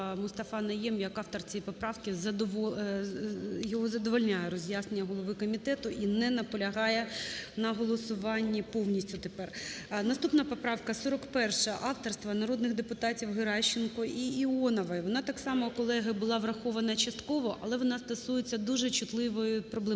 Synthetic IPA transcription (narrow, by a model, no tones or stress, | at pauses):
mʊst̪ɐfɑnɐjɛmjɐkɑft̪ɔrt͡sʲɛjipɔpɾɑwkɪzɐd̪ʋɔ | jɔɦɔzɐd̪ɔʋɔlʲnʲajɛɾɔzʲjasnenʲːɐɦɔlˠɔʋɪkɔmʲit̪ɛt̪ʊʔinɛnɐpɔlʲɐɦɑjɛnɐɦɔlˠɔsʊʋɑnʲːipɔwnʲisʲtʲʊt̪epɛrnɐst̪upnɐpɔpɾɑwkɐsɔɾɔkpɛrʃɐʔɑwt̪ɔrst̪ʋɐnɐɾɔd̪nɪɣd̪epʊt̪ɑtʲiwɦɪɾɑʃːɪnkɔiiɔnɐʋɐʋɔnɑt̪ɑksɑmɔkɔlˠɛɦɐbʊlˠɑʋrɐxɔʋɐnɐt͡ʃɐst̪kɔʋɔʔɐlˠɛʋɔnɑst̪ɐsujet͡sʲːɐd̪uʒɛt͡ʃʊt̪lˠɪʋɔjʊpɾɔblˠɛ